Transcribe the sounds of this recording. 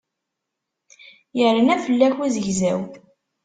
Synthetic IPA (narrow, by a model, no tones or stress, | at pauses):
jəɾənæfəlːæçwæzəʝzæw